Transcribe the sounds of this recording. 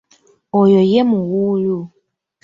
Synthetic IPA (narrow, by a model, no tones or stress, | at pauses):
ɔjɔjɛmuɣulu